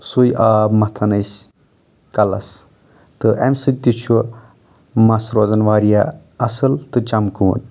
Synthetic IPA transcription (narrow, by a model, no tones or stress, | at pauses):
sujʔaːbmɐt̪ʰɐnɐjs | kɐlɐ̰s | t̪ɨʔɐ̰mʲsɨt̪it͡ʃʰu | mɐsɾoːzɐnʋaːɾija | ɐsɨlt̪ɨt͡ʃɐmkuːn